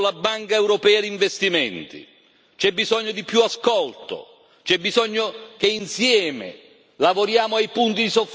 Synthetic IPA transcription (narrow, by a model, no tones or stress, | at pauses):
labːaŋkaɛwɾɔpɛːad̪iɱvest̪imɛnt̪ḭ | t͡ʃɛbːizɔɲːʊd̪ipjuaskɔlt̪ʊ̰ | t͡ʃɛbːizɔɲːok̟einsjɛːmɪ̰ | lavoɾjaːmʊajpunt̪id̪isof